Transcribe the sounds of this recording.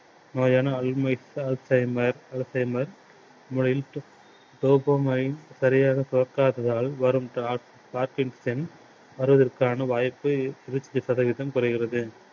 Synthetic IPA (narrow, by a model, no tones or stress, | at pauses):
noːjaːnɐːlmɐɪsɐlsɐɪmɐɾɐlsɐɪmɐɾ | mʊɻɐɪlʈ | ʈoːbɐːmɐjɪnsɐɾɪjaːɣɐsʊɾɐkːaːðɐðaːlʋɐɾɯmʈa | paːɾkɪɳʈsɛn | ʋɐɾɯʋɐðɐɾkaːnɐʋaːjpːɯɪɾɯt͡ʃːɪðɐsɐðɐʋɪðɐmkʊɾɐɣɪrɐðɯ